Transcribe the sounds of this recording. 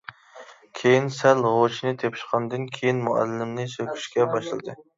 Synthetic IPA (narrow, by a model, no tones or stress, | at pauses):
kʲʰejinsælʁot͡ʃʰnɪt̪ʰepʰɪ̥ʃqʰɑnd̪ɨnkʲʰejinmʊæ̰lːɪmnɪsøkʲʰy̥ʃkʲɛbɑʃlɨlɨd̪ɨ